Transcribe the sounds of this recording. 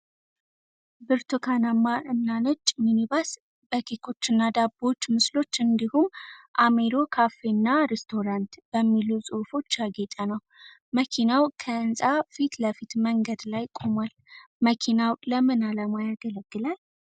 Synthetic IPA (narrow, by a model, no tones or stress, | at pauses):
bɨɾt̪ʰokʰanamːaʔɨnːanət͡ʃʼːminibas | b̥əkʰikʰo̞t͡ʃːɨnːad̪abo̞t͡ʃːmɨslo̞t͡ʃːɨnd̪ihumʔameɾo̞kʰafenːaɾest̪ʰo̞ɾant̪b̥əmːilusʼɨfo̞t͡ʃːjaɡet̪ʼanəw | məkʰinawkʰəɨnsʼafit̪ləfit̪məŋɡəd̪lajkʼo̞mwal | məkʰinawləmɨnaləmajaɡələɡ̥ːɨlal